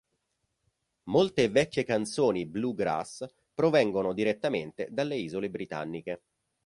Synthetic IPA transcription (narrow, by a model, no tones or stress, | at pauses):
molt̪eːvɛkːjekant̪soːnibluɡɾa̰s | pɾovɛŋɡonod̪iɾet̪ːament̪ḛd̪alːeiːzolebɾit̪a̰nːike